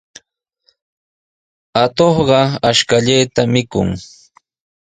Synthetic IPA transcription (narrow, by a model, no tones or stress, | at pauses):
at̪oχɢɑaʃkaʎajt̪amɪkʊ̰ŋ